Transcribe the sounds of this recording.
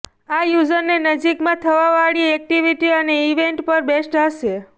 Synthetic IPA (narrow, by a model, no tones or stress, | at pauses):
ajud͡ʒənːenəd͡ʒikmãt̪ʰəʋaʋaɭiɛk̚ʈiʋiʈiəneiʋeɳʈpəɾbesʈɦəʃe